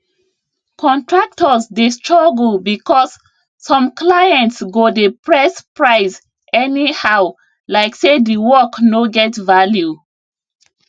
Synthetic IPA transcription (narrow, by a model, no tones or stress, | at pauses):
kʰɔ̃ntɹak̚tɔsdestɹɔɡl̩bikʰɔsː | ɔ̃mklajɛ̃ntsɡodepɹɛspɹaɪs | ʔɛnihaʊ | laɪksediwɔknoɡɛtvalju